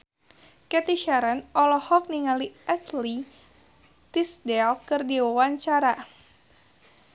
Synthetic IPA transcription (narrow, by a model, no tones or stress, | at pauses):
kɛt̪iʃaɾanɔlɔhɔk̚niŋaliʔɛsli | t̪isdɛlkɨrdiwawaɲt͡ʃaɾa